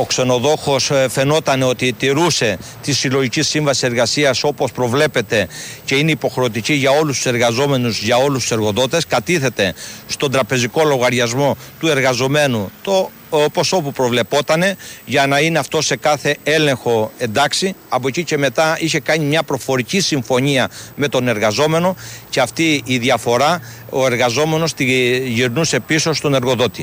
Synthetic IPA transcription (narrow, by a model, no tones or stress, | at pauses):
o̞kse̞no̞ðo̞xo̞sfe̞no̞t̪ɐne̞o̞t̪it̪iɾuse̞t̪isilo̞ʝicisiɱvɐsise̞ɾɣɐsiɐso̞po̞spɾo̞vle̞pe̞t̪e̞ce̞ine̞ipo̞xɾe̞ot̪iciʝɐo̞lust̪u̥se̞ɾɣɐzo̞me̞nuzʝɐo̞lust̪u̥se̞ɾɣo̞ðo̞t̪e̞skɐt̪iθe̞t̪e̞st̪o̞nd̪ɾɐpe̞ziko̞lo̞ɣɐɾʝɐzmo̞t̪ue̞ɾɣɐzo̞me̞nut̪o | po̞so̞pupɾo̞vle̞po̞t̪ɐne̞ʝɐnɐine̞ɐft̪o̞se̞kɐθe̞e̞le̞ŋxo̞e̞nd̪ɐksiɐpo̞cice̞me̞t̪ɐiçe̞kɐɲimɲɐpɾo̞fo̞ɾicisiɱfo̞ɲiɐme̞t̪o̞ne̞ɾɣɐzo̞me̞no̞ceɐft̪iːðiɐfo̞ɾɐo̞e̞ɾɣɐzo̞me̞no̞st̪iʝiɾnuse̞piso̞st̪one̞ɾɣo̞ðo̞t̪i